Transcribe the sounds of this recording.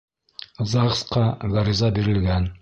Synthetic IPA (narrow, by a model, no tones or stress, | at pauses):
zɑʁsqɑɡaɾʲizɑbiɾɘ̆lɡæn